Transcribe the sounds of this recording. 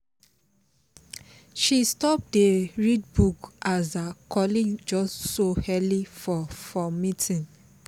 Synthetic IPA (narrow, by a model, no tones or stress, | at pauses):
ʃistɔp̚deɹid̚bukʔazakʰɔlĩd͡ʒɔssohɛlifɔfɔmitʰĩn